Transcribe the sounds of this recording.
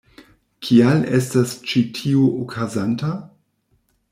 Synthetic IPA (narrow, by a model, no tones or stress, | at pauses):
kʰialestast͡ʃitʰioʔokʰazanta